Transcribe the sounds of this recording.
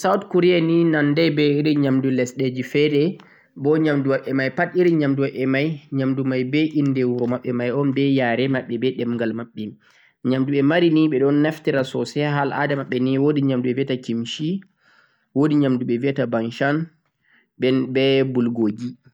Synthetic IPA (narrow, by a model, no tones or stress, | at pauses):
sawtkuɾijaninandɛbɛiɾiɲamdulɛsɗed͡ʒifɛɾɛ | bɔɲamduwaɓɛmajpatiɾiɲamduwaɓɛmajɲamdumajbɛʔindɛwuɾɔmaɓːɛmajɔnbɛjaɾɛmaɓːɛbɛɗɛmŋɡalmaɓːɛ | ɲamduɓɛmaɾiniɓɛɗɔnːɛftɛɾasɔsɛɦalʔa̰damaɓːɛniwodiɲamduɓɛviɛtakimʃi | wodiɲamduɓɛviɛtabanʃan | ɓɛbɛbulɡoːd͡ʒi